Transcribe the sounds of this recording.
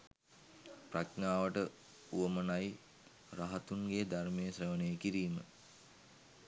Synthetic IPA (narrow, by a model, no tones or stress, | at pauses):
praknaːʋəʈə | uʋəmənaj | raɦat̪uŋɡed̪armejəsreʋənejəkiɾiːmə